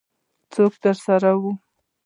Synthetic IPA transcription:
t͡sokt̪əɾsaɾawu

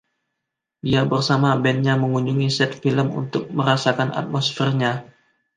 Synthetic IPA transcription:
diabərsamabɛnɲaməŋuɲd͡ʒuŋisɛt̪̚filəmṵnt̪ʊk̚məɾasakana̰t̪̚mosfɛrɲa

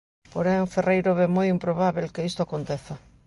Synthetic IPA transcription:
poɾeŋferejɾoβemojimpɾoβ̞aβelkeist̪ʊakont̪eθa

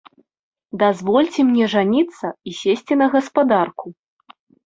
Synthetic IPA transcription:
d̪azvɔlʲt͡sʲɛmnʲɛʐanʲit̪sːɐisʲesʲt͡sʲinɐɣɐspad̪arku

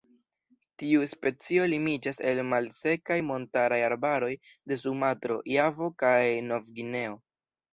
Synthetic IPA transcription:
tiuspe̞t͡sio̞limid͡ʒase̞lmalse̞kajmo̞ntaɾajaɾbaɾo̞j | de̞s̬umatɾo̞̰javo̞kajno̞vɡine̞o̞

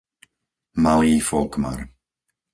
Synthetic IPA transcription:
maliːfɔlkma̰ɾ

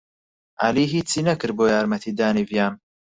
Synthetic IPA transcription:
ʔa̰liːɦiːt͡siːnɐkɨɾboːjaːɾmɐt̪ʰiːd̪aːnivjaːn

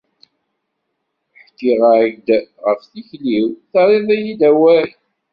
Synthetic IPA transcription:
ħkːiʁaɡd̪ʁəfθiçliwθɑɾˤeðˤæjid̪æwæɾ

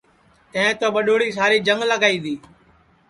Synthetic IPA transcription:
t̪ẽẽːt̪oːɓəɗoːɽiːs̬aːɾiːd͡ʒəŋɡləɡaːiːd̪iː

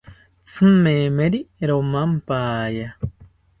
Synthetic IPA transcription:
t͡sʰɨ̃memeɾiɾomãmpaːja

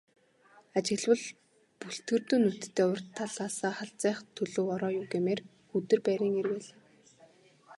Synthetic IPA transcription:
at͡ɕɪ̆ɣɮwə̆ɮ | puɬt̪ɡɘ̆rt̪uːnːut̪t̪ʰːeːʊr̥t̪ʰːaɮaːsaːχaɬt͡sæːχt̪ʰːɵɮɵ̆ːwɔɾɔːjʊːwɡemeːr | xɵt̪ɘ̆rpæːɾʲiːŋerweːɮ̆

